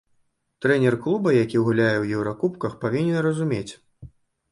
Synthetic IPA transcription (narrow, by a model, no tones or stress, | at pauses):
t̪ɾɛnʲɛrklˠubɐjakʲiwɣulʲajɛwjɛwɾakupkɐxpavʲinʲɛnrɐzumʲet͡sʲ